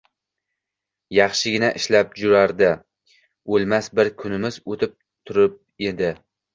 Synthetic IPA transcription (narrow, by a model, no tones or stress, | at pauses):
jɑχʃɪɡʲɪnaʔɪʃlap̚d͡ʒʊɾaɾd̪ɪ | olˠmasbɪɾkʲʰʊnɪmɪzot̪ʰɪp̚ | t̪ʰʊɾɪp̚ | e̞d̪ɪ